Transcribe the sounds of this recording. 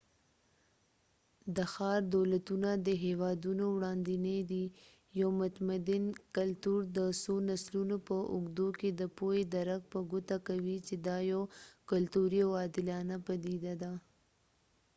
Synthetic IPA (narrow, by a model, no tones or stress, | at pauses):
d̪əxɑɾd̪olat̪unad̪əɦewɑd̪unowɽɑnd̪ined̪i | jawmʊt̪mad̪inkalt̪uɾd̪əsonaslunopəʔʊɡd̪oked̪əpojed̪aɾak̚pəɡʊt̪akawit͡ʃed̪ɑjawkalt̪uɾiawɑd̪ɪlɑnapad̪id̪ad̪a